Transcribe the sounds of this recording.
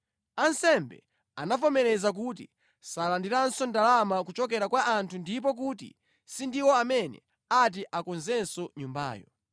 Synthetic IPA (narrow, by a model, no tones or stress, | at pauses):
ansɛmbɛ̰ | a̰nafɔmɛɾɛzak̬ut̬ḭ | salandiɾansɔndalamakut͡ʃɔkɛɾakwaʔantʰundip̬ɔk̬ut̬ḭ | sindiwɔamɛnɛ̰ | at̬iʔakɔnzɛnsɔɲumba̰ːjɔ̰